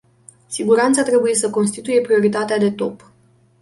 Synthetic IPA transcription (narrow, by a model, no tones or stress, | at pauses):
siɡuɾant̪sat̪ɾe̞buje̞səko̞nst̪it̪uje̞pɾio̞ɾit̪at̪ead̪e̞t̪o̞p